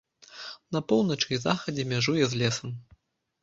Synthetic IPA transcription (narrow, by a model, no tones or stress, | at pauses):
nɐpɔwnɐt͡ʂɨizaxɐd͡zʲɛmʲaʐujɛzlʲɛsɐm